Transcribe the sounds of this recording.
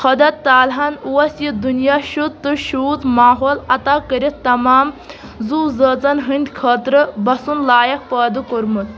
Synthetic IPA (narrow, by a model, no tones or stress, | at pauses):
xʰɐd̪ɐt̪t̪ːaːlɦɐnuwɐsjid̪unjaːʃut̪ɨʃuːt̪maːɦoːlɐt̪aːkəɾit̪t̪ːɐmaːmzuːzɐːt͡sɐnɦɨnʲd̪ʲkʰɐːt̪ɾɨbɐsunlaːjɐk̚pɐːd̪ukuɾmut̪